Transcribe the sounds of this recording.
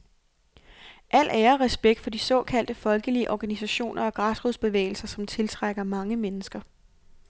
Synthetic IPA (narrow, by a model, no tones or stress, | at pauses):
ʔæl̰ʔæːɐʁɛsb̥eɡ̥̚d̥fɒ̽d̥isɒ̽ːkʰæl̰d̥əfɒ̽lɡ̥əliəʔɒɡ̥ænisæɕo̝̰ːnʔɐɒ̽ɡ̥ʁɑ̈sʁuðˠsb̥e̝ʋḛːɪl̩sɐsɒ̽mt͡sʰe̝lt͡sʰʁaɡ̥ɐmɑ̈ŋəmenəsɡ̥ɐ